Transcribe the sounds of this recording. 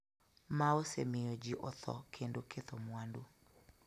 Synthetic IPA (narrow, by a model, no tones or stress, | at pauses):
maosḛmɪjod͡ʒiʔɔt̪ʰɔ̰kʰendokʰet̪ɔmwando